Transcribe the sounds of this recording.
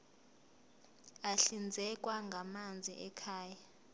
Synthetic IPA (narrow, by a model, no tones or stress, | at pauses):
aɬind͡zʱɛk̬ʼwaŋɡʱamand͡zʱiʔɛkʰaːja